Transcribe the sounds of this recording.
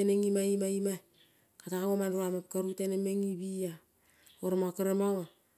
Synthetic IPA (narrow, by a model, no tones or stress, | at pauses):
eneŋimaimaima | kataaŋomanruamap̚kaɾutenemeŋibija | oɾamakaɾamaŋo